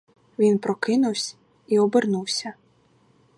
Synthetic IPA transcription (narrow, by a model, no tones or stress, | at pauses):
vʲinpɾɔkɪnuwsʲ | iɔbɛɾnuwsʲɐ